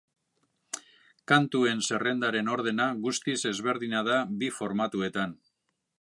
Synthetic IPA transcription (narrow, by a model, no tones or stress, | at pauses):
kant̪ue̞nse̞re̞nd̪aɾe̞no̞ɾðe̞naɣust̪ise̞zβe̞ɾðiɲað̞abifo̞ɾmat̪ue̞t̪an